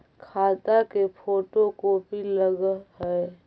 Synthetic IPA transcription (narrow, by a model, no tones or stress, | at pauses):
kʰaːt̪akepʰoːʈokopiləɡɦɛ